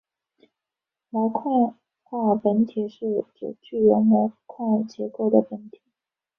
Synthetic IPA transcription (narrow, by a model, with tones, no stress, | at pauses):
mɔ˧˥ʊkʰwa˥˧ | xwa˥˩pə˧˥nt̪ʰi˨˩˥ʂɻ̩˥˩ʈ͡ʂṵ˨˩t͡ɕy˥˩ɥɔ˧˥nmɔ˧˥ʊkʰwa˥˩t͡ɕjɛ˧˥ko˥˩ʊd̪ə˩pə˧˥nt̪ʰi˨˧˥